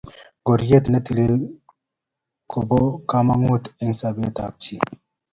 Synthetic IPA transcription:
ɡo˨ɾje˦t̪na˦t̪i˨le˦ | kʰo˨bo˦ka˦ma˦ŋo˦t̪i˦ŋsa˨be˦t̪a˨b̚t͡ʃi˨

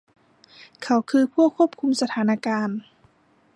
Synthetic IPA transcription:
kʰa˧˥wkʰɯː˧pʰu˥˩əkʰːu˥əp̚kʰu˧msa˧t̪ʰaː˩˦na˧kaː˧n

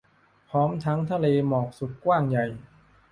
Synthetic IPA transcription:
pʰɔː˦˥mt̪ʰa˦˥ŋt̪ʰa˧leː˧mɔː˨˩k̚su˨˩t̪̚kwaː˥˩ŋja˨˩j

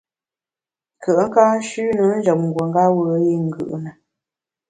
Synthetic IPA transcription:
kʰə˨ʔŋ̩˦ka˦ʃʉ˦nə˨˦n̩˦d͡ʒɔ˨p̚ŋ̩˨ɡwə˨ŋɡa˦wə˨˦ji˦ŋ̩˨ɡɯ̰˨ʔnə˨

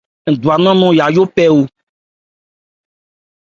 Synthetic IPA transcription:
ŋ̩˨d̪u˨a˨nɔ̃˦nɔ̃˦ja˨jo˦pɛ˦wo˦

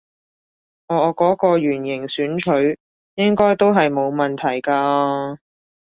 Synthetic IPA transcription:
ʔɔː˨˧˨kɔː˨˥kɔː˧ɥyː˨˩njɪ˨˩ŋsyː˨˥nt͡ʃʰɵ˨˥ɥ | jɪ˥ŋkɔː˥jt̪o˥wɦɐ˨jmo˨˧wmɐ˨nt̪ʰɐ˨˩jkaː˧

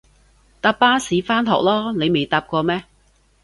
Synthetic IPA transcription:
t̪aː˧pːaː˥siː˨˧˦faː˥nt̪ʰɔ̰ː˨k̚lɔː˥ne˨˧jme˨jt̪aː˧p̚kɔː˧mɛː˦˥

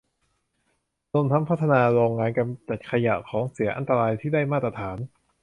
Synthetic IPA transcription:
lo˧˩mt̪ʰa˦˥mpʰa˥t̪ʰːa˧naː˧ɾoː˧ŋːaː˧nka˧mt͡ɕa˨˩t̪̚kʰa˧ja̰˨˩ʔkʰɔː˩˦ŋsi˩˦ɐʔa̰˧nt̪a˧ɾaː˧jt̪ʰiː˥˩daː˥˩jmaː˥˩t̪̚ːɾa˧t̪ʰaː˩˦n

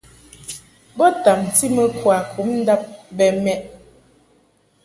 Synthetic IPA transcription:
bɔ˦ta˨m˨ti˦mə˦kwa˨kʰu˨˦mn̩˦da˦p̚bɛ˨mɛ˦ʔ

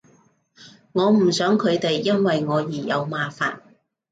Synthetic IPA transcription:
ŋɔː˨˧m̩˨˩sœː˨˥ŋkʰɵ˨˧ɥt̪e˨jːɐ˥nwɐ˨jŋɔː˨˧jiː˨˩jɐ˨˧wmaː˨faː˨n

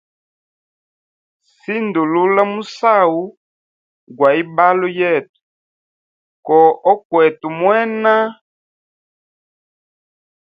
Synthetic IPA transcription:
si˦ndu˨lu˦la˦mu˦sa˦˨wu˦ | ɡwa˨i˦ba˦lo˦jɛ˦˨tu̥˨ | kɔ˨ɔ˦kwɛ˨tu˨mwɛ˦na˦

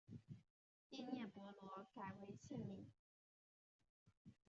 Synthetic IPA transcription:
i˥˧njɛ˥˩pwɔ˧˥lwɔ˧˥ka˨˩ɪwe˧˥ɪt͡ɕʰi˥˩ŋli˨˩˦

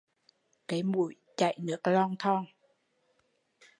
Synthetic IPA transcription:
ka˨˦jmu˨˩˦j | t͡ɕa˨˩jnɯ˨˦əklɔː˥˩ŋt̪ʰɔ˥˩ŋ

